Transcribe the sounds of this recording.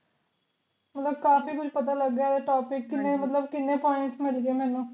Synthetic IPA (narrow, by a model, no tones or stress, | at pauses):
mət̪ləb̚kaːfiːkʊt͡ʃʰpət̪aːləɡːaːd̪aʈaːpɪkːɪnːẽːmət̪ləbkɪnːẽːpɔːɪ̃ʈsmɪlɡeeːmɛ̃ːnũː